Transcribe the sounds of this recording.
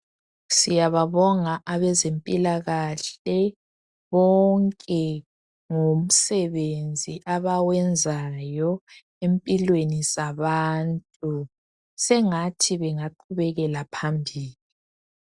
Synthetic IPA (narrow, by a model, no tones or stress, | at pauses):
sijaβaβɔŋaʔaβɛzempʼilaɣaɬɛ | βɔŋkʼɛ | ŋom̩sɛβend͡zʱiʔaβawɛnd͡zʱajɔ | empʼilwenizaβantʼu | sɛŋatʰiβɛŋaǃʰuβɛɣɛlapʰambʱiːli